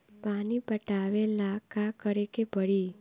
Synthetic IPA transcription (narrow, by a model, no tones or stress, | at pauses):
panipəʈaʋelakakəɾekebəɭi